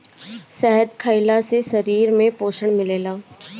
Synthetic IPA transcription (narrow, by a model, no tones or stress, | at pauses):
sɛɦəd̪kʰəɪlasesɐɾiːɾmẽpoːʃəɽ̃mɪleːlaː